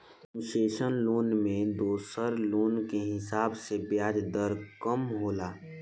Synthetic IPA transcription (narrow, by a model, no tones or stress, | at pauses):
ʃeːʃənloːnmẽd̪oːsəɾloːnkeɦɪsaːbsebjaːd͡ʒd̪əɾkəmɦoːlaː